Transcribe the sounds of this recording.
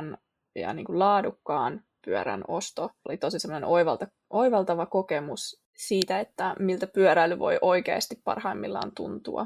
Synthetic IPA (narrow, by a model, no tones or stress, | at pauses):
n | jɑ̰nḭːŋkullɑːdukːɑːn | pyø̰ɾæ̰no̞st̪oo̰lit̪osisemːonenʔoiʋɑlt̪ɑ | ʔoiʋɑlt̪ɑʋɑkokemus | siːt̪æet̪ːæmilt̪æpyœɾæilːyʋo̞̰jʔo̞ikḛːst̪ippɑ̰rhɑimːilːɑ̰ːnt̪ṵnt̪ṵɑ̰